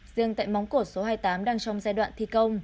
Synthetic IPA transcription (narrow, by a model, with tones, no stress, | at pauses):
z̥ɨ˧əŋt̪a̰ː˧˨jmɔ˨˦wŋ͡mko˧˩so˨˦ɦaː˧jt̪aː˨˦mɗaː˧ŋt͡ɕɔ˧wŋ͡mzaː˧jɗwa̰ː˧˨nt̪ʰi˧˩kə˧wŋ͡m